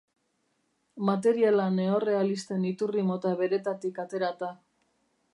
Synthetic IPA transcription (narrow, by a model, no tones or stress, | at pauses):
mat̪̬e̞ɾialane̞o̞re̞alist̪e̞nit̪urimo̞t̪aβe̞ɾe̞t̪at̪ikat̪e̞ɾat̪a